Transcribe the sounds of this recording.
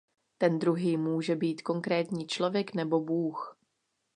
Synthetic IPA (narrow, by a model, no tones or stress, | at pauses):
t̪ɛnd̪ɾuɦiːmuːʒɛbiːt̪ko̞ŋkɾɛːt̪ɲiːt͡ʃlo̞vjɛknɛbo̞buːx